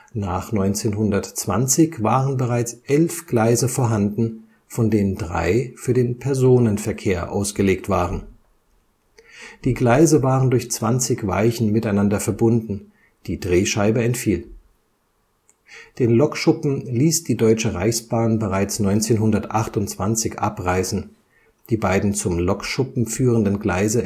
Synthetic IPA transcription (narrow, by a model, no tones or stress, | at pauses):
naːχnɔʏnt͡seːnɦʊndɐtt͡sv̥a̰nt͡sɪçv̥aːʁənbəʁaɪt͡sʔɛlfɡ̥laɪzəfoːɐɦandn̩ | fɔndeːnəndʁa̰ɪfyːɐdeːnpʰɛɐzoːnənfɛɐkʰeːɐʔa̰ʊsɡ̥əleːk̚tv̥aːʁən | d̥iːɡlaɪzəvaːʁəndʊɐçt͡sv̥ant͡sɪçv̥a̰ɪçn̩mɪtaɪnandɐfɛɐbʊndn̩ | d̥iːdʁeːʃaɪbəɛntfiːl | d̥eːnlɔkʃʊpm̩liːsd̥iːdɔʏt͡ʃəʁa̰ɪçsb̥aːnbəʁaɪt͡snɔʏnt͡seːnɦʊndɐtʔaχtʊnt͡sv̥ant͡sɪçʔa̰pʁaɪzn̩ | d̥iːbaɪdn̩t͡sʊmlɔkʃʊpm̩fyːʁəndənɡla̰ɪzə